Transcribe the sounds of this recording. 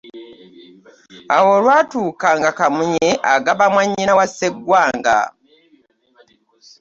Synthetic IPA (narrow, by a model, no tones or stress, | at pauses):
awo̞lwaːtuːkaŋɡakamuɲeʔaɡaβamwaɲːinawaseɡwaːŋɡa̰